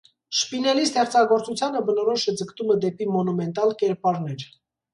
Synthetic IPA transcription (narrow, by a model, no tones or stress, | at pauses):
ʃpinɛlist̪ʰɛχt͡sʰɑɡɔɾt͡sut͡sʰjɑnəbənɔɾɔʃɛd͡zəkt̪uməd̪ɛpimɔnumɛnt̪ɑlkɛɾpɑɾnɛɾ